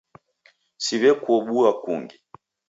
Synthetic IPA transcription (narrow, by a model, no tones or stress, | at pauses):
siβɛkuɔɓuakṵŋɡi